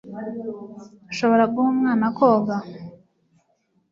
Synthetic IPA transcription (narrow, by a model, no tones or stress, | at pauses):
aʃoβo̞ɾaɡuhomŋaːnakoːɡa